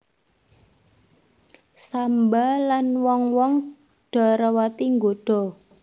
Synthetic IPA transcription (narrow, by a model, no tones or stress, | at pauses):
sambalanwɔŋwɔŋ | ɖ̥ɔ̤ɾəwat̪iŋɡoɖ̥ɔ̤